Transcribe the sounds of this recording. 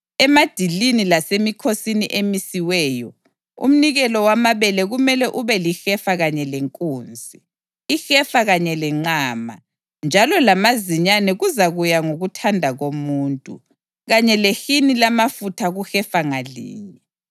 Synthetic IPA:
ɛmad̥ʱilinilasemikʰosiniʔemisiwɛːjɔ | ṵm̩niɣɛlɔwamaβɛlɛɣumɛlɛʔuβɛlixɛfaɣaɲɛlɛŋkʼuːnzʱi | ixɛfaɣaɲɛlɛŋ͡ǁaːma̰ | nd͡ʒʱalɔlamaziɲanɛɣuzaɣujaŋoɣutʰandʱaɣomuːntʼṵ | ɣaɲɛlexinilamafutʰaɣuxɛfaŋalḭːɲɛ

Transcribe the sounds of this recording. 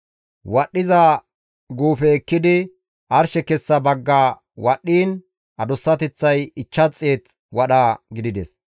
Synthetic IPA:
wɐɗːɪza | ɡuːfɛːkːɪd̪ɪ | ʔɐɾʃɛkɛsːɐbɐɡːaː | wɐɗːiːn | ʔɐd̪ɔsːɐt̪ɛt͡sːɐjɪt͡ʃːɐt͡sʼːeːt̪ | wɐɗaːɡɪd̪ɪd̪ɛs

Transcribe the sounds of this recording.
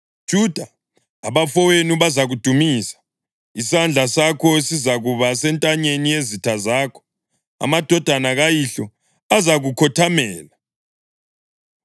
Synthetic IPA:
d̥ʒ̥ʱud̥ʱaː | βafɔwenuβazaɣud̥ʱumiːsḁ | isand͡ɮʱasakʰɔsizaɣuβasɛntʼaɲenijezitʰazaːkʰɔ̥ | a̰mad̥ʱɔd̥ʱanaɣajiɬɔ | azaɣukʰɔtʰamɛːla

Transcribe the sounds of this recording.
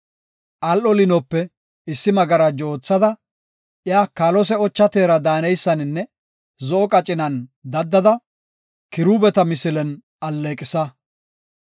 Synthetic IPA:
ʔɐlʔɔlɪnɔpːɛ | ɪsːɪmɐɡɐɾɐd͡ʒoːt͡sːɐd̪ɐ | ʔɪjaːkaːlɔsɛɔt͡ʃːɐt̪e̞ːɾɐd̪aːnɛjsːɐnɪnːɛ | zɔʔɔkʼɐt͡ʃʼɪnɐnd̪ɐd̪ːɐd̪ɐ | kɪɾuːbɛt̪ɐmɪsɪlɛn | ʔɐlːeːkʼɪsɐ

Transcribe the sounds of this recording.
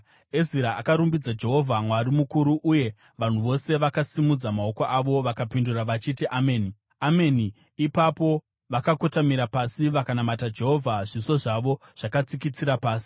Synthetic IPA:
eziɾaʔakaɾumbid͡zad͡ʒe̞ɦo̞vʱamwaɾimukuɾuʔuje̞ | ʋan̤uʋo̞se̞ʋakasimud͡zamao̞ko̞ʔaʋo̞ʋakapinduraʋat͡ʃitiʔameːni | ame̞niː | papo̞ | ʋakakotamiɾapasiʋakanamatad͡ʒe̞ɦo̞vʱaʐiso̞ʐaʋo̞ʐ̥akat͡sikit͡siɾapaːsi̥

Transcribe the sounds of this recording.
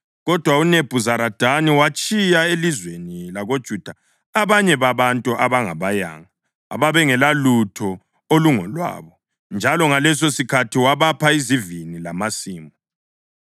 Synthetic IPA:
ɣɔd̥ʱwauneb̥ʱuzaɾad̥ʱaniwat͡ʃʼijaelizwenilaɣod̥ʒ̥ʱud̥ʱaː | βaɲɛβaβantʼuʔaβaŋa̰βaja̰ːŋa̰ː | βaβɛŋɛlalutʰɔ | oluŋɔlwa̰ːβɔ | nd͡ʒʱalɔŋalɛs̬osikʰatʰiwaβapʰaizivinilamasiːmɔ

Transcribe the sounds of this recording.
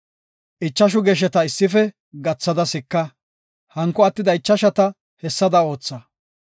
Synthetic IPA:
ʔɪt͡ʃːɐʃ̬ʊɡɛːʃ̬ɛt̪ɐɪsːɪfɛ | ɡɐt͡sːɐd̪ɐsɪkːɐ | hɐŋkːɔɐt̪ːɪd̪ɐɪt͡ʃːɐʃɐt̪ɐ | hɛsːɐd̪ɐo̞ːt͡sːɐ

